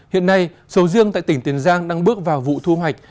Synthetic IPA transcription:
hḭ˧˨ənːa˧j | sə˨˦wzɨ˧əŋt̪a̰ː˧˨jt̪ï˧˩ŋ̟t̪i˨˩ənzaː˧ŋɗa˧ŋɓɨ˦˥ək̚vaː˨˩wvṵ˧˨t̪ʰu˧hwa˨˩jk̟̚

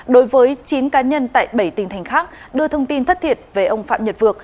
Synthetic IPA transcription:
ɗo˨˦jvəː˨˦jt͡ɕi˨˦nkaː˨˦ɲə˧nt̪a̰ː˧˨jɓə˧˩jt̪ï˨˩ŋ̟t̪ʰa˨˩jŋ̟xaː˦˥k̚ | ɗɨ˧ət̪ʰə˧wŋ͡mt̪i˧nt̪ʰt̚t̪ʰi˨˩ət̚ve˨˩ʔə˧wŋ͡mfa̰ː˧˨mɲə˨˩t̚vɨ˨˩ək̚

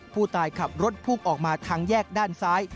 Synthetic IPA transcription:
pʰuː˥˩t̪aː˧jkʰa˨˩p̚ɾo˦˥t̪̚pʰuː˥˩ŋʔɔː˨˩k̚maː˧t̪ʰaː˦˥ŋjɛː˥˩k̚daː˥˩nsaː˦˥j

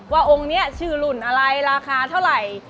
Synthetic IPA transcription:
waː˥˩ʔo˧ŋni˦˥˩ɐt͡ɕʰɯː˨˩lu˨˩nʔa˧ɾa˧jɾaː˧kʰaː˧t̪ʰa˥˩wɾa˨˩j

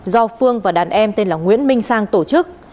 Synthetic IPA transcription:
zɔ˧fɨ˧əŋvaː˨˩ɗaː˨˩nʔɛ˧mt̪e˧nlaː˨˩ŋwḭ˧˥ənmï˧ŋ̟saː˧ŋt̪o˧˩t͡ɕɨ˦˥k̚

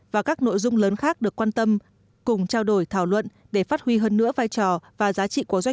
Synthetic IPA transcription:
vaː˨˩kaː˦˥k̚no̰˧˨jzʊ˧ŋ͡mləː˨˦nxaː˦˥k̚ɗɨ˨˩əkːwaː˧nt̪ə˧m | kʊ˨˩ŋ͡mt͡ɕaː˧wɗo˧˩jt̪ʰaː˧˩wlwə̰˧˨n | ɗe˧˩faː˦˥t̚hwi˧ɦəː˧nːɨ̰˧˥əvaː˧jt͡ɕɔ˨˩vaː˨˩zaː˨˦t͡ɕḭ˧˨ko˨˦zwa˧˦j

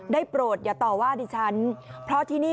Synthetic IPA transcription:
daː˥˩jpɾoː˨˩t̪̚jaː˨˩t̪ɔː˨˩waː˥˩diː˧˩t͡ɕʰa˦˥npʰɾɔ˦˥t̪ʰiː˥˩niː˥˩

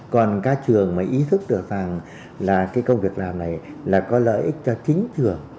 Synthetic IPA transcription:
kɔ˨˩nkaː˨˧˥t͡ɕɨ˨˩əŋmaː˨˩ʔi˨˦t̪ʰɨ˦˥k̚ɗɨ˨˩ək̚za˨˩ŋ | laː˨˩kaː˨˦jkə˧wŋ͡mvi˨˩ək̚laː˨˩mna˨˩jlaː˨˩kɔ˨˦lə̰ː˧˨jʔï˦˥k̚t͡ɕɔ˧t͡ɕï˨˦ŋ̟t͡ɕɨ˨˩əŋ

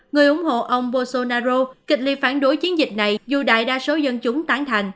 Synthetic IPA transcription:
ŋɨ˨˩əjʔʊ˧˩˦ŋ͡mɦo̰˧˨ʔə˧wŋ͡mɓo˧so˧naː˧zo˧kï˨˩k̚li˧˨faː˧˩nɗo˨˦jt͡ɕi˨˦ənzï˨˩k̟̚na˨˩jzu˨˩ɗa̰ː˧˨jɗaː˧so˨˦zə˧nt͡ɕʊ˨˦ŋ͡mt̪aː˨˦ŋt̪ʰa˨˩jŋ̟

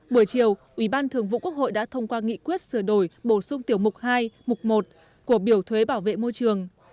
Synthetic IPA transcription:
ɓu˧˩əjt͡ɕi˨˩əwʔi˧˩ɓaː˧nt̪ʰɨ˨˩əŋvṵ˧˨ku˦˥ək̚ho̰˧˨jɗa̰ː˧˥t̪ʰə˧wŋ͡mkwaː˧ŋḭ˧˥kwi˦˥ət̚sɨ˧˩əɗo˧˩jɓo˧˩sʊ˧ŋ͡mt̪i˧˩əwmʊ˨˩k͡p̚haː˧jmʊ˨˩k͡p̚mo˨˩t̚ | ku˧˩əɓi˧˩əwt̪ʰwe˨˦ɓaː˧˩wvḛ˧˨mo˧jt͡ɕɨ˨˩əŋ

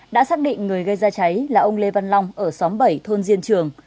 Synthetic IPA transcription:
ɗa̰ː˧˥saː˦˥k̚ɗḭ̈˧˨ŋ̟ŋɨ˨˩əjɣə˧jzaː˧t͡ɕa˨˦jlaː˨˩ʔə˧wŋ͡mle˧va˧nlɔ˧wŋ͡mʔəː˧˩sɔ˨˦mɓə˧˩jt̪ʰo˧nzi˧ənt͡ɕɨ˨˩əŋ

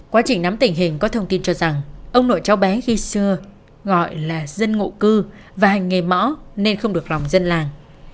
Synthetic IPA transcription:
kwaː˨˦t͡ɕï˨˩ŋ̟na˨˦mt̪ï˨˩ŋ̟ɦï˨˩ŋ̟kɔ˨˦t̪ʰə˧wŋ͡mt̪i˧nt͡ɕɔ˧za˨˩ŋʔə˧wŋ͡mno̰˧˨jt͡ɕa˨˦wɓɛ˨˦xi˧sɨ˧ə | ɣɔ̰˧˨jlaː˨˩zə˧nŋo̰˧˨kɨ˧ | vaː˨˩ha˨˩jŋ̟ŋe˨˩mɔ̰˧˥ne˧nxə˧ŋ͡mɗɨ˨˩ək̚la˨˩wŋ͡mzə˧nlaː˨˩ŋ

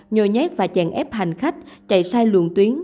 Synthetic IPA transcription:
ɲo˨˩jɲɛ˦˥k̚vaː˨˩t͡ɕɛ̰˧˩ŋʔɛ˦˥p̚ɦa˨˩jŋ̟xa˦˥jk̟̚t͡ɕa̰˧˨jsaː˧jlɨ̰˧˨ənt̪wi˨˦ən

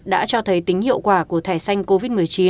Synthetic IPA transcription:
ɗa̰ː˧˥t͡ɕɔ˧t̪ʰə˨˦jt̪ï˨˦ŋ̟hḭ˧əwkwaː˧˩ku˧˩ət̪ʰaː˧˩jsa˧jŋ̟ko˧vi˦˥t̚mɨ˨˩əjt͡ɕi˨˦

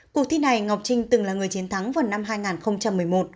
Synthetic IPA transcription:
ku˨˩ək̚t̪ʰi˧na˨˩jŋa˨˩wk͡p̚t͡ɕï˧ŋ̟t̪ɨ˨˩ŋlaː˨˩ŋɨ˨˩əjt͡ɕi˨˦ənt̪ʰa˨˦ŋva˨˩nːa˧mɦaː˧jŋaː˨˩nxə˧wŋ͡mt͡ɕa˧mːɨ˨˩əjmo˨˩t̚

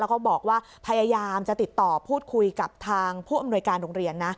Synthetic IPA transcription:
lɛ˦˥wkɔː˥˩bɔː˨˩k̚waː˥˩ | pʰa˧jaː˧jaː˧mt͡ɕa˨˩t̪i˨˩t̪ːɔː˨˩pʰuː˥˩t̪̚kʰu˧jka˨˩p̚t̪ʰaː˧ŋpʰuː˥˩ʔa˧mnu˧əjkaː˧nɾoː˧ŋɾi˧ənːa˦˥

